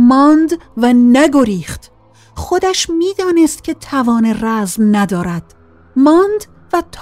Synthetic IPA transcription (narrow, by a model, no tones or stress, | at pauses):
mɒːnd̪vænæɡo̞ɾiːχt̪ | xo̞d̪æʃmiːd̪ɒːnest̪̚cʲʰe̞t̪ʰævɒːneræzmnæd̪ɒːɾæd̪̥ | mɒːnd̪ | væt̪ʰː